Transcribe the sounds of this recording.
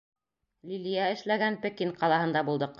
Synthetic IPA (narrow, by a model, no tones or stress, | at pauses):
lʲilʲijæɘ̆ʃlæɡænpɘ̆kiɴqɑlˠɑhɤ̆nd̪ɑbulˠd̪ɤq